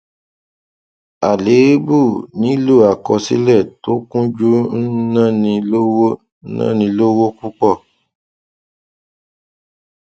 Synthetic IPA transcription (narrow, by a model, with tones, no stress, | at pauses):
a˨le˨˦bu˦˨nĩ˨˦lu˦˨a˨kɔ˧sḭ˦lɛ˦˨to˨˦kũ˦d͡ʒu˦n̩˦nã˦˨nĩ˧lo˦wo˦ | nã̰˦˨nĩ˧lo˦wo˦ku˦k͡pɔ˦˨